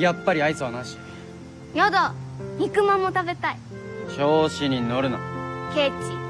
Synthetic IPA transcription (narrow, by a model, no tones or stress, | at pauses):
japːaɾʲiait͡sɨβanaɕi̥ | jod̪oɲʲikɯ̟mãmːot̪abe̞t̪ai | ɕoːɕiɲ̟inoɾɯ̟na̰ke̞ːt͡ɕi